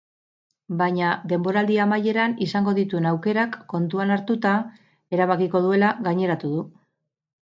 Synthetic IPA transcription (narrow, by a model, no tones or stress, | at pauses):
baɲad̪e̞mbo̞ɾald̪iamaje̞ɾanisaŋɡo̞ðit̪ue̞nawke̞ɾakːo̞nt̪uanaɾt̪ut̪a | e̞ɾaβ̞akiko̞ðue̞laɣaɲe̞ɾat̪uðu